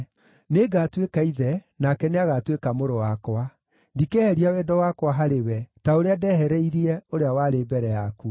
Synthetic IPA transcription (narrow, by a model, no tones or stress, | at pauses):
neɡatwekaiðɛ | nakɛneaɣatwekamoɾowakwa | ndikɛhɛɾiawɛdɔwakwaɦaɾewɛtaoɾeadɛɦɛɾɛiɾiɛoɾeawaɾeːbɛɾɛjaku